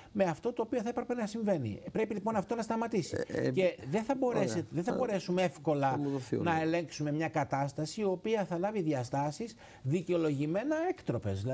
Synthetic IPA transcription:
me̞ɐft̪o̞t̪o̞ːpioθɐepɾepe̞nɐsiɱve̞nḭpɾe̞pilipo̞nɐft̪o̞nɐst̪ɐmɐt̪isice̞ðeθɐbo̞ɾeset̪ðeθɐbo̞ɾe̞sumeefko̞lɐnɐe̞le̞ŋksume̞mɲɐkɐt̪ɐst̪ɐsiːo̞piɐθɐlɐviðʝɐst̪ɐsis | ðiceo̞lo̞ʝime̞nɐekt̪ɾo̞pe̞̰zðilɐ

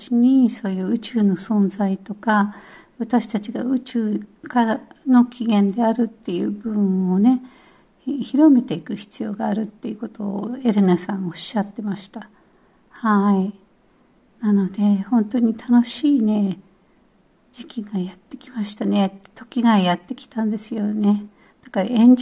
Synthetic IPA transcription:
t͡ɕiɲ̟iso̞ːjɯ̟ːɯ̟t͡ɕɨːno̞sõ̞nzait̪o̞kaβat̪aɕi̥t̪at͡ɕiɡaɯ̟t͡ɕɨːkaɾano̞kʲiɡẽ̞nd̪e̞aɾɯ̟t̪ːe̞jɯ̟ːbɯ̟ɯ̟̃ɰ̃o̞ne̞ | çiɾo̞me̞t̪e̞ikɯ̟çi̥t͡sɨjo̞̰ːɡaːɾɯ̟t̪ːe̞jɯko̞t̪o̞ːe̞ɾɯ̟nasãɰ̃oɕːat̪ːe̞maɕi̥t̪a | hai | nano̞d̪e̞hõ̞nt̪o̞ɲ̟it̪ʰano̞ɕiːne̞ | d͡ʑikʲiɡajat̪ːe̞kʲimaɕi̥t̪ane̞t̪ːe̥t̪o̞kʲiɡaijat̪ːe̞kʲi̥t̪ãnd̪e̞sɨjo̞ne̞ | d̪̥akaɾaẽ̞ɲ̟d͡ʑ

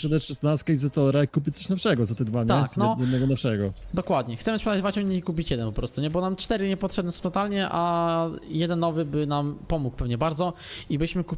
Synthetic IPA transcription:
ʂɛd̪at͡ɕʂɛsnast̪kaizɛt̪ɔɾaikupʲit̪sɔɕnɔfʂɛɡɔzat̪ɛd̪vaɲɛnɛɲɛd̪nɛɡɔnɔfʂɛɡɔd̪ɔkwad̪ɲɛxt̪sɛmɘspʂɛd̪ad̪vat͡ɕɔɲiikup̬ʲit͡ɕjɛd̪ɛnpɔpɾɔst̪uɲɛbɔnamt͡ʂt̪ɛɾɘɲɛpɔtʂɛbnɛsɔ̃w̃t̪ɔt̪alɲɛʔa | jɛd̪ɛnːɔvɘbɘnampɔmukpɛvɲɛbaɾd̪zɔibɘɕmɘku

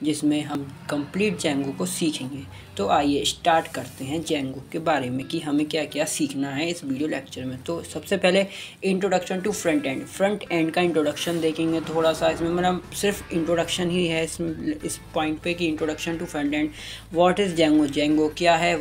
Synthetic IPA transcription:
d͡ʒɪsmẽɦɐmkɐ̃mpliːʈ̚d͡ʒɛ̃ːŋɡokosiːkʰẽːŋɡe | t̪oʔaːijesʈaːɾʈkɐɾt̪eɦɛ̃d͡ʒɛ̃ːŋɡokebaːɾemẽkiɦɐmẽkjaːkjaːsiːkʰnaɦɛɪsʋiːɖijolɛːk̚t͡ʃəɾmẽt̪oːsɐbsepɛɦleɪ̃ɳʈɾoːɖɐkʃə̃nʈufɾɐ̃ɳʈɛ̃ːɳɖfɾɐ̃ɳʈɛ̃ːɳɖkaɪ̃ɳʈɾoːɖɐkʃənd̪eːkʰẽŋɡet̪ʰoːɽasaɪsmẽmɛt̪ləmsɪɾfɪ̃ɳʈɾoːɖɐkʃənɦiɦɛɪsɪspɔ̃ːɪ̃ɳʈ̚pekiɪ̃ɳʈɾoːɖɐkʃə̃nʈufɾɐ̃ɳʈɛ̃ːɳɖʋɔːʈɪzd͡ʒɛ̃ːŋɡod͡ʒɛ̃ːŋɡokjaːɦɛ

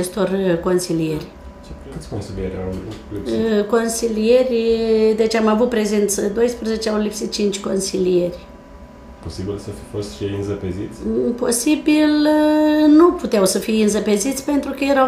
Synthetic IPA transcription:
t͡ʃest̪o̞rko̞nsilije̞rʲ | t͡ʃek̪sʲnilieɾʲa̰wliko̞nsilije̞rʲd̪e̞t͡ʃʲamavut̪̚pɾe̞zent̪səd̪o̞jspɾəze̞t͡ʃeawlipsit̪̚t͡ʃint͡ʃʲko̞nsilijerʲ | po̞sibilsəfi̥fo̞st̪ʃejɨnzəpezit̪sʲpo̞sibil | nuput̪eawsəfijɨnzəpe̞zit̪sʲpe̞nt̪ɾukəjeɾaw

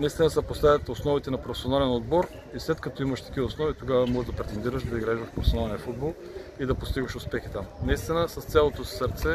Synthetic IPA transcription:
nɐist̪inəsɛpost̪avʲət̪osnɔvit̪ɛnɐpɾofɛ̥sionalɛnod̪̚bɔɾ | islɛt̪kɐt̪ɔimɐʃt̪ɐ̥k̟ivosnɔvit̪oɡavəmɔʒd̪ɐpɾɛt̪ɛnd̪iɾəʃd̪ɐiɡɾaʒvəfpɾofɛsionalˠniəfud̪̚bolˠ | id̪ɐpost̪iɡvəʃʊspɛxit̪amnɐist̪inəsɐst̪sʲalˠot̪osəɾt̪sɛ

